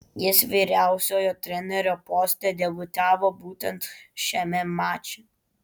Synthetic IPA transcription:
jɪsʋʲiːɾʲæˑʊsʲoːjoːt̪ʲɾʲɛnʲɛɾʲoːpɔsʲt̪ʲɛd̪ʲɛbʊt̪ʲæːʋobuːt̪ʲɛnt̪ʃʲɛmʲɛmɑːt͡ʃʲɪ

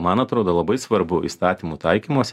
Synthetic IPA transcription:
mɐnɐt̪ɾoːd̪oːlˠɐbɐɪsʋɐɾbʊḭːst̪ɑːt̪ʲiːmut̪ɐɪkʲiːmoːsʲ

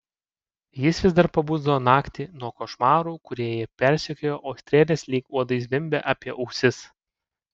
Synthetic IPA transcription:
jɪsʋʲɪzd̪ɐɾpɐbuːzd̪ɐʋoːnɑːkʲt̪ʲiːnuɔkoːʃmɑːɾuːkʊɾʲiɛjɛpʲɛɾʲsʲɛkʲoːjoːʔɐːsʲt̪ʲɾʲeːlʲeːsʲlʲiːkuɔd̪ɐɪs̬ʋʲɪmʲbʲɛʔɑːpʲiɛʔɐʊksʲɪs

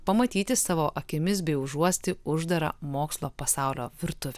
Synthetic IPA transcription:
pɐmɐt̪ʲiːt̪ʲɪsɑːʋoːʔɐkʲɪmʲɪsbʲɛɪʊʒuɔsʲt̪ʲɪʊʒd̪ɐɾɐ̰moːkslˠoːpɐsɑˑʊlʲo̰ːʋʲɪɾt̪ʊʋʲɛ

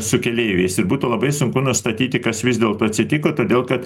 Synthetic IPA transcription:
sʊkʲɛlʲeːʋʲɛɛɪsɪɾbuːt̪uːlˠɐbɐɪsʊŋkʊnʊst̪ɐt̪ʲiːt̪ʲɪkɐsʋʲɪzd̪ʲeːlˠt̪oːɐt̪ʲsʲɪt̪ʲɪkoːt̪oːd̪ʲeːlˠkɐt̪

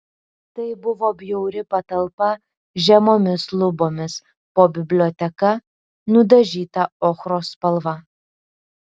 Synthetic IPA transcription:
t̪ɐɪbʊʋoːbʲjɛʊɾʲɪpɐt̪ɐlˠpɐ | ʒʲɛmoːmʲɪslˠʊboːmʲɪs | poːbʲɪbʲlʲoːt̪ʲɛkɐ | nʊd̪ɐʒʲiːt̪ɐoːxɾoːspɐlˠʋɐ

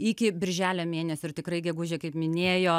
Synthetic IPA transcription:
ɪkʲɪbʲɪɾʲʒʲæːlʲoːmʲeːnʲɛsʲoɪrt̪ʲɪkrɐɪɡʲɛɡʊʒʲeːkɐɪpmʲɪnʲeːjoː

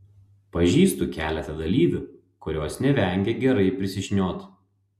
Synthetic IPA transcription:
pɐʒʲiːst̪uːkʲæːlʲɛt̪ɐd̪ɐlʲiːbʲu | kʊɾʲoːsnʲɛʋʲɛˑŋʲɡʲɛɡʲɛɾɐɪpʲɾʲɪsʲɪʃʲnʲoːt̪

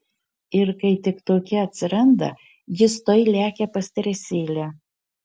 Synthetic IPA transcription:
ɪɾkɐɪt̪ʲɪkt̪oːkʲɛɐt̪ʲsʲɪɾɐnd̪ɐ̰ | jɪst̪oɪlʲæːkʲɛpɐsʲt̪ʲɐɾʲɛsʲeːlʲæ

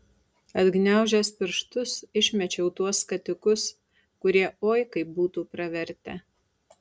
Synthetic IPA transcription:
ɐd̪ʲɡnʲæˑʊʒʲɛspʲɪɾʃt̪ʊsɪʃʲmʲɛt͡ʃʲɛʊt̪uɔskɐt̪ʲɪkʊs | kʊɾʲiɛoːjkɐɪbuːt̪uːpɾɐʋʲɛɾʲt̪ʲɛ

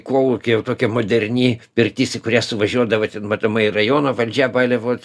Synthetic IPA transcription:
koːlˠukʲɪjɛʊt̪oːkʲɛmoːd̪ʲɛɾʲnʲiːpʲɪrʲkt̪ʲiːsʲɪkʊɾʲæsʊʋɐʒʲuɔd̪ɐʋɐt̪ʲɛnmɐt̪oːmɐɪɪrɐjoːnoːʋɐlʲd͡ʒʲæbɑːlʲɛʋoː

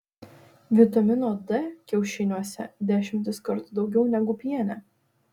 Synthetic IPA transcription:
ʋʲɪt̪ɐmʲɪnoːd̪ɛkʲɛʊʃʲɪnʲuɔsʲɛ̰d̪ʲæːʃʲɪmʲt̪ʲɪskɐɾt̪ʊd̪ɒʊɡʲɛʊnʲɛɡʊpʲiɛnʲɛ

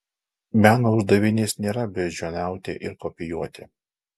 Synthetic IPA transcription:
mʲæːnoʊʒd̪ɐʋʲɪnʲeːsnʲeːɾɐbʲɛʒʲoːnʲæˑʊt̪ʲḛːʔɪɾkɔpʲɪjuɔt̪ʲɪ

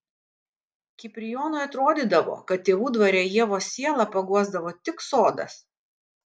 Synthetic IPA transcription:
kʲɪpʲɾʲɪjoːnoːjɐt̪ɾoːd̪ʲid̪ɐʋo̰ːkɐt̪̚t̪ʲeːʋuːd̪ʋɐɾʲejiɛʋoːsʲiɛlˠɐpɐɡuɔzd̪ɐʋoːt̪ʲɪksoːd̪ɐ̰s

